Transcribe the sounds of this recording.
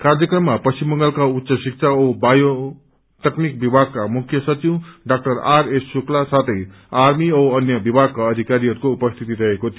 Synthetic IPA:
kaɾd͡zʌkɾʌmːapʌst͡ɕimːʌŋɡʌlkautːsʌsik̚sʰaobajo | t̪ʌknik̚bibʱaɡ̚kamukʰːjʌsʌt͡ʃiwɖak̚ʈʌɾaɾesːuklasat̪ʰʌj | aɾmioʌnjʌbibʱaɡ̚kaːd̪ʱikaɾiʌɾukoupʌst̪ʰit̪iɾʌɦekot̪ʰ

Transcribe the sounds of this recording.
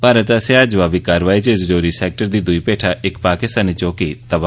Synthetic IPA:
bʱaːɾət̪ɐseaːd͡ʒʋaːʋikaːɾʋaːit͡ʃezd͡ʒoːɾisɛːk̚ʈəɾd̪iːd̪ʊipeːʈʰaʔɪkpaːkɪst̪aːnit͡ʃoːkit̪ɐba

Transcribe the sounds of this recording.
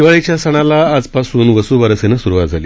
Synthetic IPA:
iʋaɭet͡ɕjasəɽ̃alaːd͡zpasuːnʋəsuːʋəɾəsenəsuɾuʋat̪d͡zʱaliː

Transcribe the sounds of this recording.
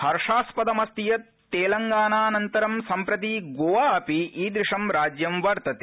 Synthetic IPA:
hɐɾʂaːspɐd̪ɐmɐst̪ijɐt̪ːeːlɐŋɡaːnaːnɐnt̪ɐɾɐmsɐmpɾɐt̪̬iɡoːʋaːɐpiʔiːd̪ɾiʂɐmɾaːd͡ʒjɐmʋɐɾt̪ɐt̪e

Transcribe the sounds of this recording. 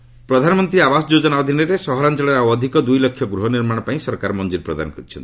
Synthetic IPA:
pɾɔd̪ʱanɔmɔnt̪ɾiabasɔd͡ʒod͡ʒɔnaɔd̪ʱineɾesɔɦɔɾant͡ʃɔɭɔɾawɔd̪ʱikɔd̪ujlɔkʰːjɔɡɾuɦɔniɾmaɽ̃ɔpaĩsɔɾkaɾɔmɔnd͡ʒuɾpɾɔd̪a̰nɔkɔɾit͡ʃʰɔnt̪i̥

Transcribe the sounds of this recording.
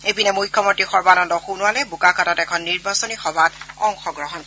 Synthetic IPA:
ebinɛmujkʰjɔmɔtixɔɹbanɔndɔxunʊwalɛbukakatatɛkʰɔnːiɹbasɔnixɔbʱatɔŋxɔɡɹɔɦɔn

